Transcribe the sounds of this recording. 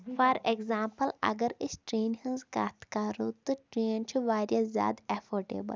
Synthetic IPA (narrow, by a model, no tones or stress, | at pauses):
faɾekzaːmpɐlɐ̰ɡɐɾɪsʈɾeːnhɐ̃nzka̰ːt̪kaːɾoːt̪ɨʈɾeːnt͡ʃʰiʋaːɾjazʲja̰ːd̪efoːɾɖḛːbɐ̰l